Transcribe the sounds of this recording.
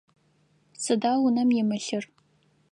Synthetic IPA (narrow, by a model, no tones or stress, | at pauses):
sɨdaːlʊnɐmjɪmɨɬɨr